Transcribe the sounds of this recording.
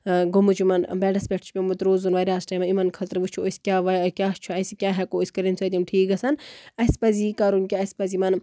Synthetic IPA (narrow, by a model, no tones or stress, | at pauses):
ɡomut͡ʃʰumɐnbɛːɖɐsbʲeʈʰt͡ʃʰpʲemut̪ɾoːzunʋaːɾiaːsʈɐːmɐimɐnkʰɐt̪ɾʋut͡ʃʰuoskʲaːʋɐjkʲaːt͡ʃʰuɐsikʲaːɦɛkoːisʲkɐɾinsɐd̪imʈʰiːkɐsɐnɐspɐziːkaːɾunkʲaɐspɐzimɐn